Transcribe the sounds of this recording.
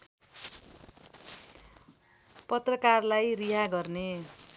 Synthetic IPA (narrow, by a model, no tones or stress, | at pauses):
pʌt̪rʌkarlajriɦaɡʌrne